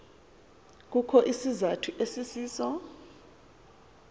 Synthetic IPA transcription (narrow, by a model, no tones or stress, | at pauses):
k̬ukʰɔʔisizatʰuʔesisiːsɔ